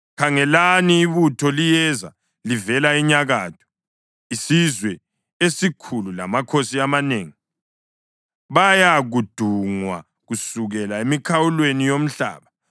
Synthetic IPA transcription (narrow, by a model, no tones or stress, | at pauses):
kʰaŋɛlaniːβutʰɔlijɛza̰ | livɛlaiɲaɣa̰ːtʰɔ̥ | isizwɛ | esikʰulula̰makʰosiamaneːŋi | βajaɣud̥ʱuŋwa̰ | ɣusuɣɛlaemikʰawulwenijom̩ɬa̰ːβa